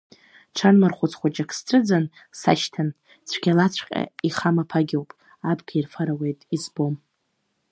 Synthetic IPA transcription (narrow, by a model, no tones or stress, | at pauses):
ʈ͡ʂʷʰanmarχʷʊt͡sχʷad͡ʒʼakʰsʈ͡ʂʷʰʼɨd͡zan | sa̰ʃtʰan | t͡sʷʰɡʲalat͡sʷʰqʲʼa̰iχamapʰaɡʲiwpʼ | abʰɡʲairfaɾawe̞jtʼizbo̞m